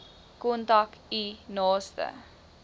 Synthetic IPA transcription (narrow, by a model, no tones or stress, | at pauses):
kɔntakinɑːstə̰